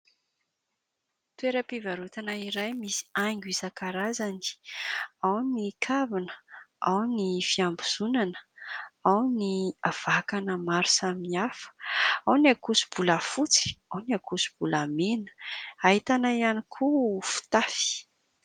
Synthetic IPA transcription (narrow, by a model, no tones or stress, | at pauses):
t̪ueɾəpivaɾut̪anaiɾajmisi̥aŋɡʲwizakaɾazani̥ | awnikʰavinəawnifiambuz̥unanə̥awniav̥akanəmaɾu̥saminiafə̥awniakusu̥b̥uləfut͡si̥awniakusu̥b̥ulamenə̥aɦit̪anaianikʰufu̥t̪afi̥